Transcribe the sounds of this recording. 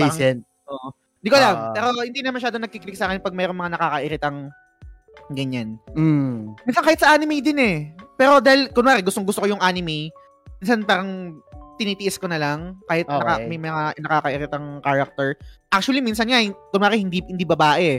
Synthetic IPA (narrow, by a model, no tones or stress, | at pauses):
sɛn | ʔoːʔo | d̪iːkolamɛːɾohɪnd̪iːnɐmɐʃaːd̪onɐɡ̚kikɪlɪk̚saːkɪnpɐɡ̚mɛːɾoŋmɐŋanɐkaːkɐʔɪɾɪt̪ɐŋ | ɡɐɲan̩ | minsɐnkaːhɪt̪sɐʔaːnɪmejd̪ɪnɛpɛːɾo̞d̪aːhɪlkʊnmaːɾɛɡʊst̪oŋɡʊst̪okojʊŋʔaːnɪmej | minsanpaːɾɐŋt̪ɪniːt̪ɪʔɪskonɐlɐŋkaːhɪt̪ːɐkamɐjmɐŋanɐkaːkɐʔɪɾɪt̪ɐŋkaːɹɐk̚t̪ɛɹʔak̚t͡ʃuɐlimiːnsɐnŋakonwaːɾɪhɪnd̪ihɪnd̪iːbɐbaːʔɛ